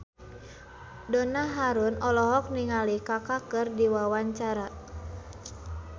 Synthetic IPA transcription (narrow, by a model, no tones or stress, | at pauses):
dɔnaɦaɾunɔlɔɦɔk̚niŋalikakakɨrdiwawaɲt͡ʃaɾa